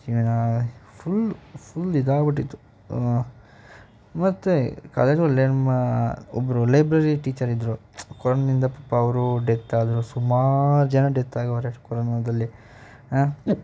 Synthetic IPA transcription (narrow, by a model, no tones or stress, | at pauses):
iʋinapʰulpʰulid̪aːɐbɐʈ̬ːit̪ːu̥ | mɐt̪ːuka̰ːled͡ʒɡɐlːenɐmːɐɔ̰bːɐɾulɐjbɾɐɾiʈiːt͡ʃɐɾid̪ːɾukɔɾonɐd̪ind̪ɐpɐpːɐːʋɐɾuɖet̪ːaːd̪ɾusumaːɾud͡ʒɐnɐɖet̪ːaːɡɐʋɐɾekɔɾonɐd̪ɐlːi